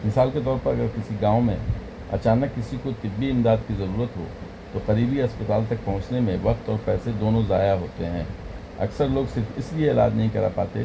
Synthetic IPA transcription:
mɪsaːlket̪ɔːɾpɐɾɐɡəɾkɪsiɡãːõmḛ̃ | ɐ̰t͡ʃaːnəkːɪsikot̪ɪbːiɪ̃md̪aːd̪kizɐɾuːɾət̪ɦo̰ː | t̪oqɐɾiːbiɐspɐt̪aːlt̪ɐk̚pɐɦʊ̃t͡ʃnemẽʋɐqt̪ɔːɾpɛːsed̪oːnõzaːjaɦoːt̪eɦɛ̰̃ː | ɐ̰ksəɾloːɡsɪɾfɪslieːla̰ːd̪nɐɦĩkɐɾa̰pa̰ːt̪ḛ

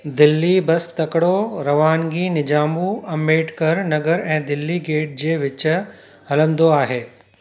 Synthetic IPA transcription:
d̪ɪlːibɐst̪ɐkɽoɾɐʋaːnɡiːnɪd͡ʑaːmuɐmːeːʈkɐɾnɐɡəɾɛ̃ːd̪ɪlːiɡeːʈ̚d͡ʑeːʋɪt͡ɕʊ̆ | ɦɐlə̃nd̪oaːɦeː

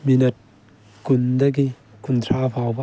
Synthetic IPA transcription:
minɐt̚ | kund̪ɐɡi | kunt̪ʰaːpawba

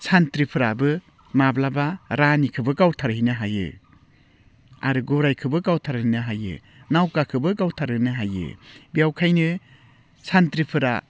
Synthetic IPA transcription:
sʰantɾipʰɯɾabɯ | mablabaɾanikʰɯbɯkawtʰaɾɦinɯɦajɯ̰ | a̰ɾɯɡɔɾajkʰɯbɯkawtʰaɾinɯɦajɯ̰ | nawkakʰɯbɯkawtʰaɾɯnɯɦajɯ̰bijawkʰajnɯ | santɾipʰɯɾa̰

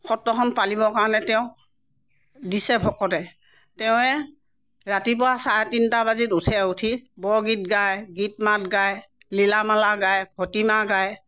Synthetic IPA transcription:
xɔtːɔxʰɔnpalibɔkaɹɔnɛtɛʊ̃ | disɛbʱɔkɔtɛ | tɛʊ̃ɛ | ɹatip̬ʊɹasaɹɛtintabazitutʰɛutʰibɔɡit̚ɡajɡit̚mat̚ɡaj | lilamalaɡajkʰɔtimaɡaj

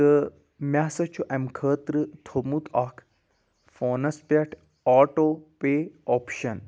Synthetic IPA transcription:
ə | mʲaːsɐt͡ʃʰuʔɛmkʰəːt̪ɾɨt̪ʰomut̪ʰakʰ | foːnɐspɐʈʰ | aːʈopeɔːpʃɐn

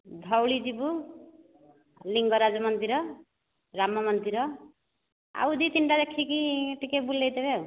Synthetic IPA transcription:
d̪ʱʌwɭid͡ʒibu | liŋɡʌɾad͡zɔmʌnd̪iɾʌ | ɾamɔmʌnd̪iɾʌ | a̰wd̪ʱit̪inʈad̪ekʰːikiʈikebulːejt̪ebe

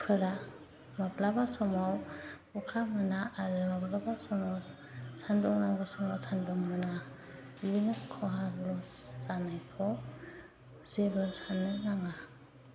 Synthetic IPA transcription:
pʰɯɾa | maplabasɔmaw | ɔkʰamɯnaːɾɯmaplabasɔmaw | sʰandɔŋnaŋbasɔmawsʰanduŋmɯna | jɯnɯkʰɔɦalɔszanajkʰɔ | zebɯlsanɯŋnaŋa

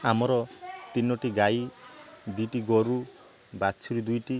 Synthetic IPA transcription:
amɔɾɔt̪inɔʈiɡaj | d̪ujʈiɡɔɾu | bat͡ʃʰiɾid̪ujʈi

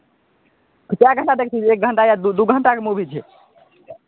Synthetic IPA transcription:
t̪okjaɡʱəɳʈad̪ekʰt͡ʃʰit͡ʃek̚ɡʱəɳʈajad̪ud̪uɡʱəɳʈakemubʱit͡ʃʰɛ

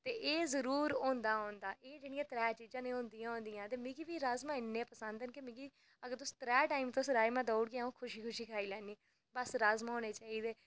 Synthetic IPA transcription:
t̪eːʔeːzəɾuːɾõːnd̪aːɦõːnd̪aːʔeːd͡ʒeːɽ̃ijãːt̪ɾɛːt͡ʃiːd͡ʒãːnẽːɦõːnd̪ijãːɦõːnd̪ijãːt̪eːmĩːɡiːʋiːɾaːzmãːɪnːẽːpəsənd̪ənkemɪ̃ːɡiː | əɡəɾt̪ʊst̪ɾɛːʈaːimt̪osɾaːimãːd̪ɔːɽɡɪaːõːkʰʊʃiːkʰʊʃiːkʰaːiːlɛːniː | bəsɾaːzmãːɦoːneːt͡ʃaːiːd̪eː

